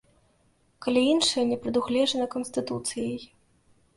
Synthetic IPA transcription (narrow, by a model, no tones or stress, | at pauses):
kalʲiinʂɐjɐnʲɛpɾɐd̪uɣlʲɛʐɐnɐkɔnsʲt̪ɨt̪ut̪sɨjɐj